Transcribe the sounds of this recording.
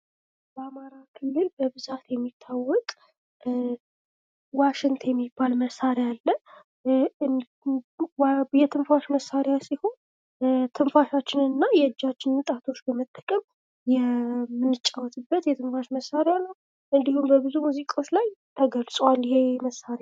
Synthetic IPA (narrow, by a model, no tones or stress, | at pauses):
bəamaɾakʰɨlːɨlbəbɨzat̪jɛmːit̪ʰːawɔkʼ | waʃɪŋt̪ʰjɛmːibalməsaɾjalːə | jɛt̪ʰɨnfaʃməsːaɾjasiho̞n | t̪ʰɨmfaʃat͡ʃːɪnɨnːajɛd͡ʒːat͡ʃːɪnɨt̪ʼat̪ʰo̞t͡ʃːbəmət̪ʼːəkʼəm | jɛmɨnːɨt͡ʃʼawɔt̪ʰɨbːət̪jɛt̪ʰɨnfaʃməsːaɾjanəw | ʔɨnd̪ihumbəbɨzumuzikʼao̞t͡ʃːlajt̪ʰəɡəlsʼwaljɛheməsːaɾja